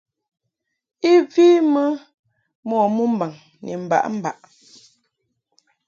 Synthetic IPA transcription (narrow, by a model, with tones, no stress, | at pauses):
i˦viː˦mə˦ | mɔ˦˨mu˦m̩˦ba˨ŋ | nḭ˨m̩˨ba̰˨ʔm̩˦ba˨ʔ